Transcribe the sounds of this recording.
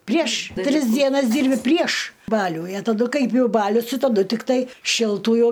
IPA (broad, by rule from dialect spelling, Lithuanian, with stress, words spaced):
pʲrʲiɛʃ ˈtʲrʲɪs dʲiɛˈnɐs ˈdʲiːrʲbʲɪ pʲrʲiɛʃ ˈbɑːlʲuː ɪ ɐ tɐˈdʊ ˈkɐɪp jɛʊ ˈbɑːlʲʊs tʲɪ tɐˈdʊ tʲɪkˈtɐɪ ʃʲɪlˠˈtuː jɛʊ